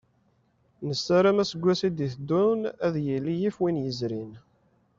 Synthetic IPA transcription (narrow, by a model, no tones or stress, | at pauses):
nəsːæɾæmæsəɡʷːæsid̪iθd̪ːunæðjəlːijifwinjəzɾin